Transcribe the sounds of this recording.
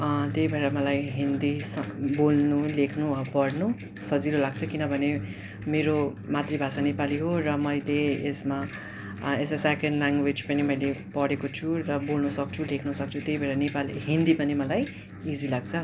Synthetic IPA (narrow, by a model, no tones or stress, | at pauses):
ʌt̪ejbʱeɾʌmʌlajɦind̪isʌbolnulekʰnuʌpʌɽnu | sʌd͡ziɾolaɡ̚t͡sʰʌkinʌbʱʌne | meɾo | mat̪ribʱasanepaliɦorʌmʌjleesma | esesekenɖlaŋɡwed͡zpʌnimʌjlepʌɽekot͡sʰuɾrʌbolnusʌk̚t͡sʰulekʰnusʌk̚t͡sʰut̪jejbʱʌɾʌnepaliɦind̪ipʌnimʌlaj | id͡zilaɡ̚t͡sʰʌ